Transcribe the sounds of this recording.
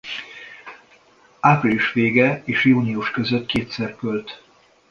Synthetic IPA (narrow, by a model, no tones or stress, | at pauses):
apriliʃʋeːɡɛeːʃjuːniuʃkø̞zøt̪keːt̪sɛrkølt̪